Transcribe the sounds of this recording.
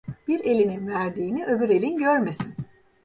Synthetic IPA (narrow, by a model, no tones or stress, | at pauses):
b̥iɾe̞lʲininvæɾd̪iːniʔøbyɾe̞lʲinɟøɾme̞sin